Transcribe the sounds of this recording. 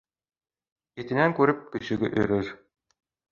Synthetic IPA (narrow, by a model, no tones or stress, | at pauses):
ket̪ɘ̆næŋkʉɾɘp̚kɵ̆ɕɘ̆ɡɘʔɵɾɘɾ